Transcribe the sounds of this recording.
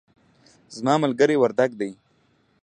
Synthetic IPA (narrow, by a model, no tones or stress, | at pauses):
zmɑmalɡəɾewaɾd̪aɡd̪aj